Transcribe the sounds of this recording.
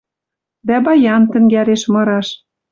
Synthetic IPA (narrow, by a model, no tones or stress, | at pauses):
d̪æbɑjɑnt̪ɘ̆ŋɡæɾeʃmɤ̆ɾɑʃ